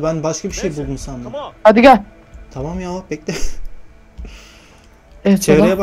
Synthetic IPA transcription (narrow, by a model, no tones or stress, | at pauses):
bænbaʃkʰabiʃejbulˠd̪umsand̪uhad̪iɡa | t̪ʰamamjalˠapʰɛc̚d̪ɛ | ɛɛt͡ʃʰevɾejɛba